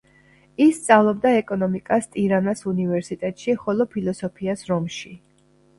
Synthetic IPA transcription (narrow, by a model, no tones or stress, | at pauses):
isːt̪sʼavlˠɔbd̪aɛkʼɔnɔmikʼast̪ʼiɾanasunivɛɾsit̪ʼɛt̪ʼʃiχɔlˠɔpʰilˠɔsɔpʰiasɾɔmʃi